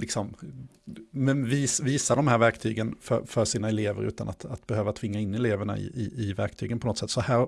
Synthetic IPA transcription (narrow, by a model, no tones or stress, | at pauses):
lɪksɔm | mɛnviːsviːsad̪ɔmhæːɾvæɾkt̪ʰyːɡənfœ̰ɾfœɾʂiːnaɛleːvə̰ɾʉ̟ːt̪a̰na̰t̪at̪bɛhøːvat̪ʰv̥ɪŋːaɪnːɛleːvəɳa̰ɪ̰ʔɪɪvæɾk̚t̪ʰyːɡənpʰɔnɔt̪ːsɛt̪ːsɔhæːɾ